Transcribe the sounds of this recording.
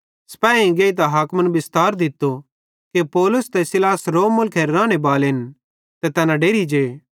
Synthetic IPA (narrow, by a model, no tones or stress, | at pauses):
sɐ̥paɛːĩɡeːit̪̬aɦaːkmənbɪst̪aːɾd̪ɪt̪ːo | kepɔːlʊst̪ɛsɪlaːsɾoːmːʊlkʰɛɾːãːɽ̃ebaːlɦɪn | t̪ɛt̪ɛːnãɖeːɾid͡ʒeː